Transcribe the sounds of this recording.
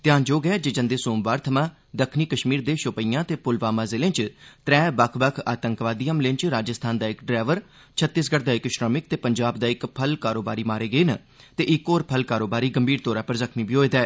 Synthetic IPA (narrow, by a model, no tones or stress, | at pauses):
t̪ɪjaːnd͡ʒoːɡəaːd͡ʒeːd͡ʒə̃nd̪eːsoːmʋaːɾt̪ʰəmãː | d̪əkʰniːkəʃmiːɾd̪eːʃʊpəijãːt̪eːpʊlʋaːmãːzɪlẽːt͡ʃt̪ɾɛ̃ːbəkʰbəkʰaːt̪əŋkʋaːd̪iːəmlɪ̃nt͡ʃɾaːd͡ʒəst̪ʰaːnd̪aːɪkɖɾɛːʋəɾ | t͡ʃʰət̪ːɪːsɡəɽd̪aːɪkʃʈɾaːmɪk̚t̪eːpəɲd͡ʒaːbd̪aːɪkpʰəlkaːɾoːbaːɾiːmaːɾeːɡəeːnə | t̪eːʔɪkoːɾpʰəlkaːɾoːbaːɾiːɡəmbʱiːɾt̪oːɾaːpəɾzəkʰmiːbʱiːɦoːeːd̪aɛː